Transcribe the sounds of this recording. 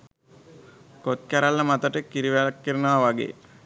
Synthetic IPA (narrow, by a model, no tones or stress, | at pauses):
kot̪̚kæɾalːəmat̪əʈəkiɾiʋelkːiɾənaːʋaɡḛː